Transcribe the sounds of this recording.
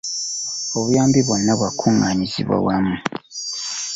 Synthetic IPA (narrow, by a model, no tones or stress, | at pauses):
oβujaːmbiβonːaβwakʰuŋaɲizḭβwa̰wamu